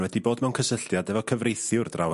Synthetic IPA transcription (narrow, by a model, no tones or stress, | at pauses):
wɛdiboːdmɛwnkʰəsəɬdjadɛvɔkʰəvrejθjʊrdra̰w